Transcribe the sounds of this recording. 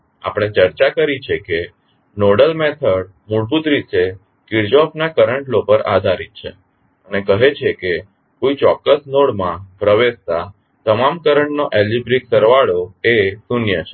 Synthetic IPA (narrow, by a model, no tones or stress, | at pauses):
a̰pɽ̃et͡ʃəɾt͡ʃakəɾit͡ʃʰeke | noɽəlmet̪ʰəɽ | muɽbud̪ɾise | kiɾd͡ʒɔfnakəɾəɳʈlopəɾa̰d̪ʱaɾit̪̚t͡ʃʰḛ | ənekəɦet͡ʃʰeke | kujt͡ʃɔkːəsnoɽmãpɾəʋest̪a | t̪əmamkəɾəɳʈnoʔelibɾiksəɾʋaɭoesunjət͡ʃʰe